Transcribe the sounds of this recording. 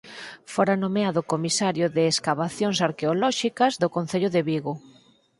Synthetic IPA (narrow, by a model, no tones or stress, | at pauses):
foɾanomeaðʊkomisaɾjʊðɪːskaβ̞aθjoŋsaɾkeolɔʃikɐzðʊkon̟θeʎʊðeβiɣʊ